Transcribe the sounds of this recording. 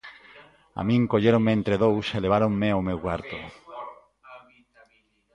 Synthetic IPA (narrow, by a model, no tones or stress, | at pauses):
a̰mĩŋkoʎeɾoŋmeent̪ɾeðowseleβ̞aɾoŋmeomewkwaɾt̪o